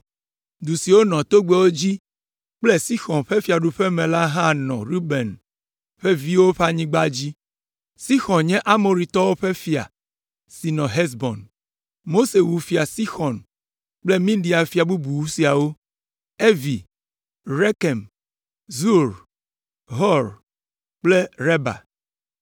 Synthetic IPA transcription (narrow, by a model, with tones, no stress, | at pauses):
d̪u˨si˨wo˦nɔ̃˨t̪o˦ɡ͡be˨wo˦d͡ʑi˦ | k͡plɛ˦si˦xɔ̃˨nɸe˦fi˨a˨ɖu˨ɸe˦mẽ˨la˦ɦã˦˨nɔ̰̃˨ɾu˦be˨n | ɸe˦vi˦wo˦ɸe˦a˦ɲĩ˦ɡ͡ba˦d͡ʑi˦ | si˦xɔ̃˨nɲɛ̃˦ʔa˦mo˨ɾi˨t̪ɔ˦wo˦ɸe˦fi˨a̰˨ | si˨nɔ̃˨ɦɛ˦sbɔ̃˨n | mo˦se˨wu˨fi˨a˨si˦xɔ̃˨n | k͡plɛ˦mĩ˦ɖi˨a˨fi˨a˨bu˦bu˨wu˦si˨a˨wo˦ | e˦vi˨ | ɾɛ˦kɛ˨m | zu˦ɾ | ɦɔ˦ɾ | k͡plɛ˦ɾɛ˦ba̰˨